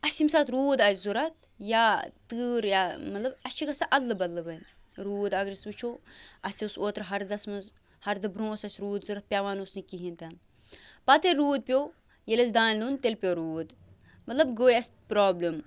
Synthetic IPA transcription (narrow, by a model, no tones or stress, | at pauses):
ɐsʲimsaːt̪ɾuːd̪ɐzuɾɐt̪̚ʰ | jaːt̪ɨːɾjaːmɐt̪lɐbɐʃʰikɐsɐʔɐlːɨbɐlːɨbɐn | ɾuːd̪ɐɡɾisʋɨt͡ʃʰoɐsʲiusoːt̪ɾɦɐɾd̪ɐsmɐz | hɐɾd̪ɨbɾõːsɐsʲɾuːd̪zuɾɐt̪̚pʲjaʋaːnosnikiɦint̪ɐn | pɐt̪eɾuːd̪̚pʲjoː | jelɐz̬d̪aːnʲlunt̪elʲpʲoɾuːd̪ | mɐt̪lɐbɡoːjɐsʲt̪pɾaːblɐm